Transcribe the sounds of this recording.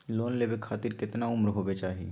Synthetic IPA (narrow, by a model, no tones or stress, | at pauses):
loːnleːbekʰːaːt̪ɪɾkɪt̪naʊmɾɦoːbet͡ʃaːɦi